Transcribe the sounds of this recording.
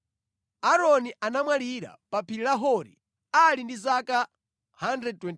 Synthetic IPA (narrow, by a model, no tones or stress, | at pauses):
aɾɔniʔanamwaliɾa̰papʰiɾilaɦɔɾḭ | alindizaka | handɾɛd̚twɛn